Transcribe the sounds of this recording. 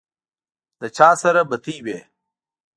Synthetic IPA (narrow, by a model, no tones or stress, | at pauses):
d̪̥ɐt͡ɕʰaːsɐɾɐbɐt̪ʰiːbeː